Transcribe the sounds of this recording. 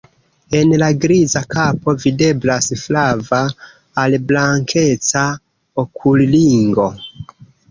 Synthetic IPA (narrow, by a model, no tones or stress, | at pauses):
e̞nlaɡɾizakʰapo̞vide̞blasflavaː | lblaŋkʰe̞t͡sa | okʰulliŋɡo̞